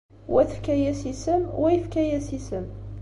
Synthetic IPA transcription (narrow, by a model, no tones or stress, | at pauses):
wæθəfkæjæsisəmwæjəfkæjæsisəm